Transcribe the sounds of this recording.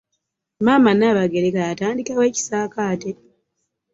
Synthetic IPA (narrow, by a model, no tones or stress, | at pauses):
maːmanaβaɡeɾekajataːndikawe̞ːci̥saːkaːte